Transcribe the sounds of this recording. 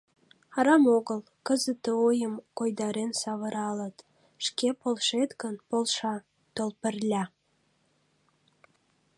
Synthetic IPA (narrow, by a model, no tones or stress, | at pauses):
ɑɾɑmoɣəl | kəzət̪əojəmkojd̪ɑɾensɑβəɾɑlət̪ | ʃkepolʃet̪ɡənpolʃɑ | t̪olpərlʲæ